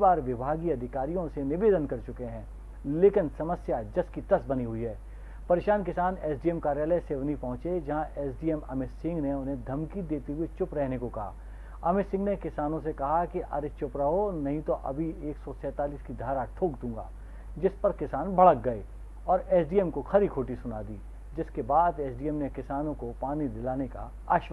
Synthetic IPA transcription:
baːɾʋɪbʱaːɡiɐd̪ʱɪkaːɾijõsenɪʋeːd̪ənkɐɾt͡ʃʊkeɦɛ̃ː | leːkɪnsɐməsjad͡ʒɐskit̪ɐsbɐniɦʊiɦɛː | pɐɾeːʃaːnkɪsaːneːsɖiːemkaːɾjaːləeseːʋənipɐɦʊ̃t͡ʃed͡ʒɐɦãʔeːsɖiːemɐ̰mɪsɪ̃ŋɡneʊnɦẽd̪ʱɐmkid̪eːt̪eɦʊet͡ʃʊpɾɛɦnekokɐɦa̰ː | ɐmɪsɪ̃ŋɡnekɪsaːnõsekɐɦakiʔɐ̰ɾet͡ʃʊpɾaɦonɐɦĩt̪oʔɐ̰bʱieːksɔsɛːt̪aːliːskid̪ʱaːɾaʈʰoːɡd̪ũːŋɡa̰ː | d͡ʒɪspɐɾkɪsaːnbʱɐɭək̚ɡɐe | ɔːɾɛːsɖiːɛmkoxʰɐɾikʰoːʈisʊna̰ːd̪iː | d͡ʒɪskebaːd̪eːsɖiːɛmnekɪsaːnõkopaːnid̪ɪlaːneka̰ | a̰ːʃʋə

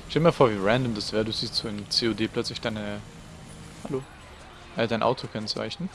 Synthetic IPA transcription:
ʃtɛlmiːɐfoːɐviːʁɛndəmdasv̥eːɐduːz̥iːstt͡saɪnəmt͡seːodeːpʰl̥œt͡slɪçd̥aɪnə | haloː | ʔədaɪnʔa̰ʊtʰokʰɛnt͡sa̰ɪçnən

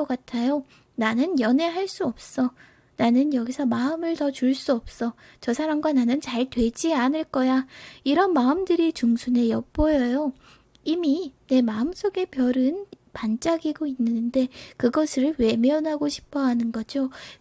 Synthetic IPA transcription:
ʌk͈atʰajo | nanɯnjʌne̞ɦaɭs͈uʌp̚s͈ʌ | nanɯnjʌɡisʰʌmaɯmɯɭtʌt͡ɕuɭs͈uʌp̚s͈ʌ | t͡ɕʌsʰaɾamɡwananɯnt͡ɕaɭtwe̞d͡ʑianɯɭk͈ʌjaiɾʌnmaɯmdɯɾit͡ɕuŋsʰune̞jʌp̚p͈ojʌjo | imine̞maɯms͈oɡe̞pjʌɾɯnpant͡ɕ͈aɡiɡoinːɯnnde̞kɯɡʌsʰɯɾɯɭwe̞mjʌnɦaɡoɕʰi̥pʰʌɦanɯnɡʌd͡ʑo

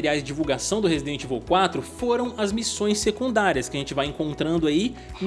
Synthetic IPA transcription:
eɾiajzd͡ʒɪd͡ʒivuwɡasɐ̃w̃d̪ʊhezid̪ẽnt͡ʃɪvowkwat̪ɾʊfoɾɐ̃w̃ɐzmisõj̃sːekũnd̪aɾiɐskɪɐʒẽnt͡ʃɪvajẽŋkõnt̪ɾɐ̃nd̪ʊai | n

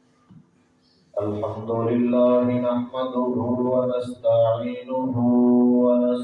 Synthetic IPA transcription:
ʔalħamd̪ʊlɪlːaːɦɪnaħmad̪ʊɦʊwanast̪aʕiːnʊɦʊwana

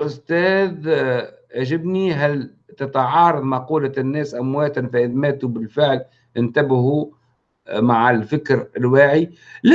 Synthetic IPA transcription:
ʔʊst̪ɛːð | aʒɪbniɦæl | t̪ɪt̪ʕɑːɾˤɑðˤmɑquːlanːæːsʔamwæːt̪anfaʔɪðmæːt̪ubɪlfɪʕl | t̪ɪnt̪abɪhu | maʕalfɪkɾɪlwaːʕilɪ

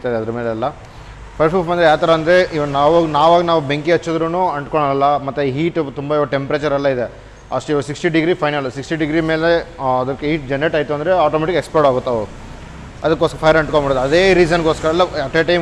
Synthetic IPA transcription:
t̪aːjd̪eɐd̪ɐɾɐmeːleɐlːɐ | pʰɐɾʈʰuːpmɐnd̪ɾejaːt̪ɐɾɐɐnd̪ɾeʔiʋɐnaːʋunaːʋaːɡɐnaːʋubeŋkiɐt͡ʃːud̪ɾuːnuːɐɳʈkoɳɐɐlːɐmɐt̪ːeiɦiːʈt̪umbɐiʋɐʈempɾeːt͡ʃɐɾɐlːɐid̪e | ɐʂʈuiʋsiksʈiɖiɡɾiːpʰɐjnɐlusiksʈiɖiɡɾimeːleɐd̪ɐkːiːʈd͡ʒɛnːeʈɐːjt̪uɐnd̪ɐɾeaːʈomeːʈikekspoːʈaːɡut̪ːɐʋu | ɐd̪ɐkːospʰɐjɐɾɐɳʈ̚kõmaːɽod̪ɐd̪eːɾiːd͡ʒɐnkoːskɐɾɐlːɐɐpeːʈɐj

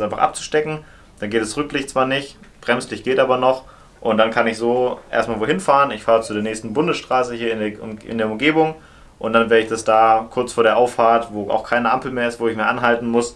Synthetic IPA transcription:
ʔaɪnfaχʔa̰p̚t͡su̥ʃtɛkŋ̩ | d̥anɡeːtɛsʁʏk̚lɪçtt͡sv̥aːɐnɪçtb̥ʁɛmslɪçɡ̥eːtʔaːbɐnɔχ | ʔʊntd̥ankʰanɪçz̥oːʔḛɐstmaːlvoːhɪnfaːʁənɪçfaːʁət͡sudeːɐnɛːçstn̩bʊndəsʃtʁ̥aːsəhiːɐɪʊɪ̰ndeːɐʊmɡeːbʊŋ | ʔʊntd̥anvɛːɐɾəɪçd̥asd̥aːkʰʊɐt͡sfoːɐɾeːɐʔaʊffaːɐtvoːʔa̰ʊxkʰaɪnəʔa̰mpl̩meːɐɪstv̥oːɪçmɪːɐʔanɦaltn̩mʊs

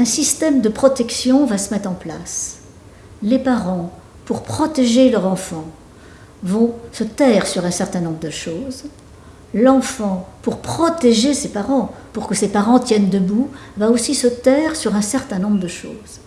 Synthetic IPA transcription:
ɛ̃sist̪ɛmd̪əpχɔt̪ɛksjɔ̃vasəmɛt̪χɑ̃pla̰s | lepaʁɑ̃ | puʁpχɔt̪eʒelœʁɑ̃fɑ̃ | vɔ̃sət̪ɛʁsyʁɛ̃sɛʁt̪ɛ̃nɔ̃bʁəd̪əʃoːz | lɑ̃fɑ̃puʁpχɔt̪eʒesepaʁɑ̃puʁkəsepaʁɑ̃t̪jɛnd̪əbuvaosisət̪ɛʁsyʁɛ̃sɛʁt̪ɛ̃nɔ̃bʁəd̪əʃoːz̥

